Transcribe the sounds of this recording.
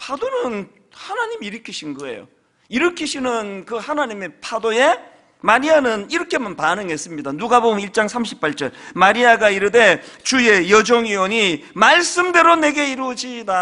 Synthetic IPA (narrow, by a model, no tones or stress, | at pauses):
pʰadonɯn | hanaɲimiiɾɯkʰiɕʰinɡʌe̞̰jo̰ | iɾɯkʰiɕʰinɯnkɯhanaɲimepʰadoje̞ | maɾianɯniɾʌkʰe̞manpanɯŋɦe̞s͈ɯmɲidanuɡaboɡɯmiɭt͡ɕ͈aŋsʰamɕ̬ʰipʰaɭt͡ɕ͈ʌɭmaɾiaɡaiɾɯde̞t͡ɕuje̞jʌd͡ʑoŋioɲimaɭs͈ɯmde̞ɾone̞ɡe̞iɾud͡ʑida